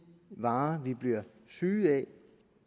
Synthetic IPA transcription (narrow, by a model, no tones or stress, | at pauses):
ʋɑ̈ːʋib̥liɐ | syːɛ